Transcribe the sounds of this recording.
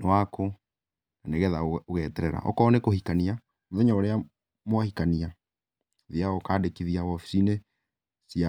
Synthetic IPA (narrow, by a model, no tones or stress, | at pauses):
wako | naneɣɛðaoɣɛːtɛɾɛɾa̰ʔɔ̰kɔːnekohikania | moðɛɲaoɾea | mwahikania | ðiaɔkaːdekiðiawɔfi̥sine | sia